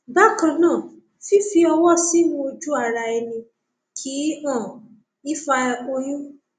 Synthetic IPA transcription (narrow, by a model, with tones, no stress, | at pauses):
ba˦kɔ̃˨˧nãː˦˨ | fi˦fi˧ɔ˧wɔ˦˨si˦mũ˧˦o˧d͡ʒu˦a˦˨ɾa˧˨ɛ˧nĩ˧ | kʰi˨˦ã˦˨ | i˦fa˧o˧jũ˦